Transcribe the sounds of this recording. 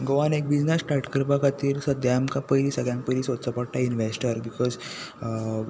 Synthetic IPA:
ɡoʋanek̚bid͡znesʈaɾʈkəɾpakat̪iːɾsəd̪jamkapəjliːsəɡjãmpəjlisot̪səpəɽʈainʋesʈəɾbikɔz

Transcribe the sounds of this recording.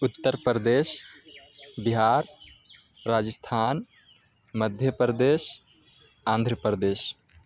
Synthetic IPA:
ut̪ːəɾpɾd̪es | biɦaɾː | aːd͡ʒəst̪ʰaːn | məd̪ʱjəpɾd̪es | ãːnd̪ʱɾəpɾd̪eːs

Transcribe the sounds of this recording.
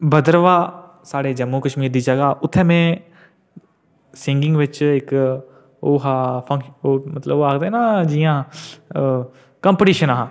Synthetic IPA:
bəd̪əɾʋaː | saːɽeːd͡ʒəmːuːkəʃmiːɾd̪iːd͡ʒəɡaːʔʊt̪ʰːɛ̃ːmẽː | sɪŋɡɪ̃ŋɡʋɪt͡ʃɪk | oːɦaːpʰəŋoːmət̪ləbaːkd̪eːnaːd͡ʒɪjãː | kəmpʈiːʃənaɦãː

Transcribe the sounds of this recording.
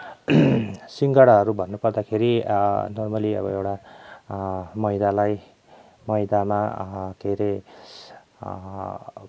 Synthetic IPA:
siŋɡʌɽʌɦʌɾubʱʌnːupʌrd̪akʰeɾinormʌliʌ̰bʌewʈa | mʌjd̪alaj | mʌjd̪amak̪ʰeɾe

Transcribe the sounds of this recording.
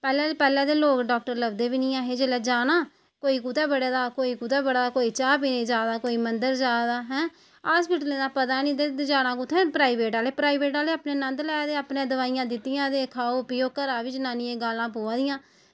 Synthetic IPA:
pɛːlɛ̃ːlpɛːlãːd̪eːloːkɖɔːk̚ʈəɾləbd̪eːbiːnɪːãːɦeːd͡ʒelɛːd͡ʒaːnãː | koːiːkut̪ɛːbəɽeːd̪aːkoːiːkut̪ɛːbəɽaːaːkoːiːt͡ʃaːpiːnẽːd͡ʒaːd̪aːkoːiːmənd̪əɾd͡ʒaːd̪aːɦɛ̃ː | aːspɪʈlẽːd̪aːpət̪aːnĩːd̪ed͡ʒaːnãːkʊt̪ʰːẽːpɾaːiʋeːʈaːleːpɾaːiʋeːʈaːleːaːpnẽːnə̃nd̪lɛːd̪eːaːpnẽːd̪əʋaːijãːd̪ɪt̪ːɪjãːd̪eːkʰaːoːpɪjoːkəɾaːʋɪt͡ʃnaːnĩːeːɡaːlãːpoːãːd̪ɪjãː

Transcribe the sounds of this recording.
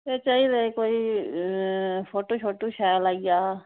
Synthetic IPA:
et͡ʃaiɾekoːi | pʰoːʈoːt͡ʃʰoːʈoːʃaːjlaːijaː

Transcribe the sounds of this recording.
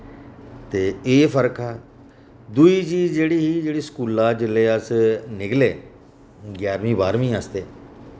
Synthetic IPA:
t̪eːeːpʰəɾkʰaː | d̪uiːt͡ʃiːzd͡ʒeːɽiːɦiːd͡ʒeːɽiːskuːlaːd͡ʒɪleːəsnɪkleː | ɡjaːɾmĩːbaːɾmĩːaːst̪eː

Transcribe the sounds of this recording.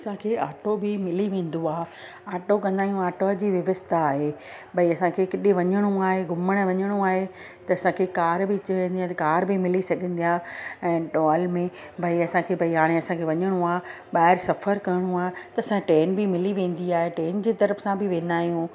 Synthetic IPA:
ɐsãkʰeːʔaːʈobɪmɪliʋẽːn̆d̪oaːɦ | aːʈokɐ̃nd̪aːɦijũaːʈod͡ʑiːʋɪʋəst̪ʰaːɦe | bʱɐiɐsãkʰekɪɗẽʋɐɲəɽ̃oaːɦeɡʱʊməɽ̃ə̆ʋɐɲəɽ̃oaːɦe | t̪ɐɐsãkʰekaːɾbɪt͡ɕɐɦə̃nd̪iãt̪kaːɾbɪmɪlisɐɡʱə̃nd̪ijaːɛ̃ːʈolmẽ | bʱɐiɐsãkʰeːbʱɐiɦaːɽ̃eɐsãkʰeːʋɐɲəɽ̃oaː | ɓaːɪɾsɐfəɾkɐɾɽ̃ũaːɦet̪ɐɐsãʈeːnbɪmɪliʋẽːn̆d̪iaːɦeʈeːnd͡ʑeːt̪ɐɾəfsãbɪʋẽːn̆d̪aːɦijũː

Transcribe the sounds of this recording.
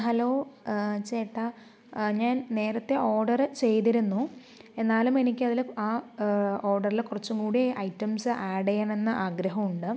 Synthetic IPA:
ɦɐlo̞ːt͡ɕeːʈːɐ | ɲaːnne̞ːɾɐt̪ːe̞ʔo̞ːrɖɐrɨt͡ɕe̞jt̪iɾunːu | e̞nːaːlume̞nikʲːɨɐðilaːoːrɖɐrilkurɐt͡ɕːuŋɡuːɽiʔɐjtːɐmsɨʔaːɽejaːɳe̞nːɐʔaːɡɾɐɦɐmuɳɖɨ

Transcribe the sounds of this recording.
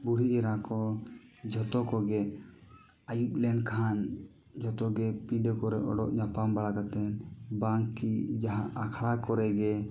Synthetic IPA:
buɽiʔɛɾakɔd͡ʒʱɔt̪ɔkɔɡɛ | ajuplɛɳɖkʰan | d͡ʒɔt̪ɔɡɛpiɖkɔɾɛɔ̰ɖɔʔd͡ʒapambaɽakat̪ɛnbaŋkːid͡ʒaɦãʔakʰɽakɔɾɛɡɛ

